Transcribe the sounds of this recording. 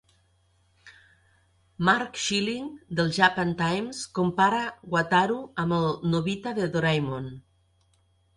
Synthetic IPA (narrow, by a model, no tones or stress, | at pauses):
maɾkʃiliŋd̪əlˠʒapant̪ajmskompaɾaɣwat̪aɾuəməlˠnoβit̪aðəðoɾajmon